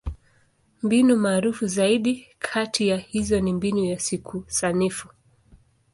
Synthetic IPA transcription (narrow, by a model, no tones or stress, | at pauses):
mbinumaːɾufuzaiɗikʰatʰijahizɔnimbinujasikʰusanifu